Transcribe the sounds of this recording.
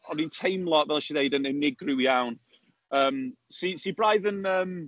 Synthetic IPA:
ɔnintʰejmlˠɔʔvɛlˠʃiðejdənənːɪɡrɪwiawn | əːmsisibɹajðənəːm

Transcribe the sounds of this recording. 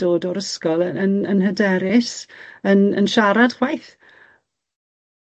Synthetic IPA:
oːdɔɾəskɔlˠəənənɦədɛɾɪsənə̰nʃaɾad̥χwajθ

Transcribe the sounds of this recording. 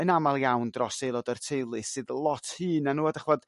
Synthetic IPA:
ənamalˠjawndrɔsejlˠɔdərtʰejlˠɨsɨðlˠɔtʰhɨːnanuːadaχvɔd̥

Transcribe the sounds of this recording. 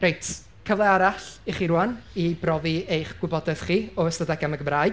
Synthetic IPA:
rejtʰ | kʰəvlˠɛaɾaɬiχiɾuanibrɔviejχɡ̥wɪbɔdɛð̥χiːɔəstədɛɡaməɡəmraːj

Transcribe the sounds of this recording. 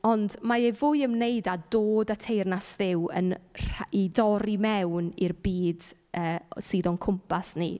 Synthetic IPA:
ɔndmaevʊjəmnejdadoːdatʰejrnasðɪwə̰nraidɔɾimɛwnirbiːdəːsiːðɔnkʰʊmpʰasnḭ

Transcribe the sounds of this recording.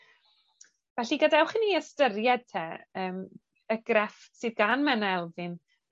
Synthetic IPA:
vɛɬiɡɔdɛwχiniəstəɾjɛd̥̚tʰɛəːm | əɡ̥rɛfsɨːðɡanmɛnaɛlˠvɨn

